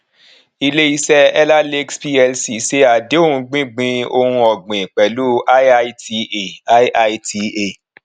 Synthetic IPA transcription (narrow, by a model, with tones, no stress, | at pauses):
i˧le˦i˧sɛ˦ɛ˦la˦le˦kspi˦ɛ˧lsi˨˦se˦a˧de˦o˦hũ˧ɡ͡bĩ˦ɡ͡bĩ˧o˧hũ˧ɔ˨ɡ͡bĩ˨k͡pɛ˨lu˦ʔa˦a˦ti˧e˨a˦ʔa˧i˦ti˧e˨